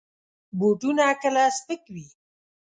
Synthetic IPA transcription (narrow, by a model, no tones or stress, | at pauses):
boʈunakəlasp̪əkwi